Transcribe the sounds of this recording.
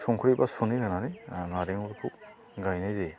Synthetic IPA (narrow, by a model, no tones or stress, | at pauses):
suŋkʰuɾibasuniɡanaɾinaɾeŋuɾpʰu | ɡajnajze